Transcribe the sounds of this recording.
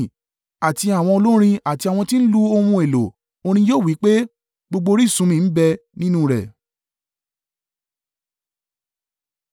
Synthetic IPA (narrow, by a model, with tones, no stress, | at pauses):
a˨ti˧a˨w̃ɔ̃˧o˧lo˦ɾ̃ĩ˧a˦˨ti˧a˨w̃ɔ̃˧tĩ˦n̩˦lu˦o˧wũ˧e˨lo˨ | o˧ɾ̃ĩ˧joː˦˨wi˨˦k͡pe˦ | ɡ͡bo˧ɡ͡bo˧ɾi˦˨sũ˨˦mĩ˧n̩˦bɛ˧nĩ˦nũ˦ɾɛ̰˨